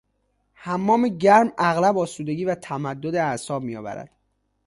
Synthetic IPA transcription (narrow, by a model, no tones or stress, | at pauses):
hæmːɒːmeɟæɾmæɣlæbɒːsuːd̪e̞ɡiːvæt̪ʰæmæd̪ːod̪eæsɒːb̚miːjɒ̰ːvæ̰ɾæ̰d̪̥